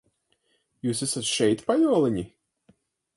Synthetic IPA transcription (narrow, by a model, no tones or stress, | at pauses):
juːsɛsat̪ʃɛjt̪pajɔɔlˠaɲʲi